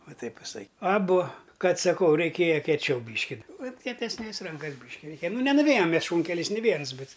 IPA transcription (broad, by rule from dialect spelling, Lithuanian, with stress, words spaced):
oː ˈtɐɪp ʋʲɪˈsɐɪ ɐˈbʊ ˈkɐt sɐˈkɐʊ rʲɛɪˈkʲeːjɛ kʲiɛˈt͡ʃʲɛʊ ˈbʲiːʃʲkʲɪ ʋɐt kʲiɛtʲɛsʲˈnʲeːs ˈrɐŋkɐs ˈbʲiːʃʲkʲɪ rʲɛɪˈkʲeːjɛ ˈnʊ nʲɛnʊˈʋʲeːjɛm ˈmʲɛs ˈʃuːŋʲkʲɛlʲɛɪs nʲɪ ˈʋʲiɛns ˈbʲɛt